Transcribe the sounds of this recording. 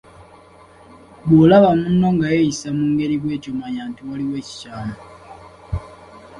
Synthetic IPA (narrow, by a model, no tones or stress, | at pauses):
bolaβamunːo̞ŋɡajejisamuːŋɡe̞ɾiβwe̞ːcomaɲaːntiwaliwe̞ːci̥caːmo